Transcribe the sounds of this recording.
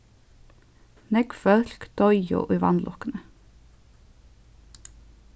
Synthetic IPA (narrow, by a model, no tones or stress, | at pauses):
nɛɡfœɬkd̪̥ɔʏʊ̰ːʔiːʋɑ̰nlɔkənə